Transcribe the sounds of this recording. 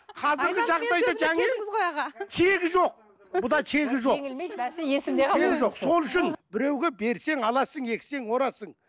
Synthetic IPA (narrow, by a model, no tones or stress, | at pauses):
qʰɑzɪɾɡʲɪʒɑʁd̪ɑj̪ɑʒæŋe | t̪ʰe̞ɡʲɪʒo̞q̚ | bʊd̪ɑt̪ʰe̞ɡʲɪʒoŋeseeɡɪʒo̞qso̞lˠʏʃɪnbɪɾe̞wɡʲebe̞ɾse̞ŋɑlˠɑsəɴe̞kʲɪ̥se̞ŋwo̞ɾɑsəɴ